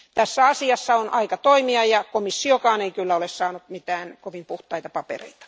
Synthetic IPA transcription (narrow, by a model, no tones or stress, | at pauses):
t̪æsːæɑsiɑsːɑonʔɑikɑt̪oimiɑjɑkomisːiokɑːneikylːæolessɑːnut̪mit̪æːnkoʋimpuht̪ɑit̪ɑpɑpḛrḛit̪ɑ̥